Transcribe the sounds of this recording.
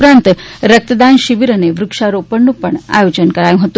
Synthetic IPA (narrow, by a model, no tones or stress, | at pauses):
pɾant̪ɾək̚t̪əd̪anɕiʋiɾəneʋɾukʂaɾopəɳːupəɳa̰jod͡ʑənkəɾajũɦot̪u